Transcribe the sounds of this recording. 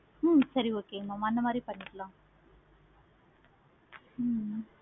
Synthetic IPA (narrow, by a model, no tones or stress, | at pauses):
sɐɾioːkeːmamaɐnd̪ɐmaːd̪ɾipɐɳːɪʈːɐlãː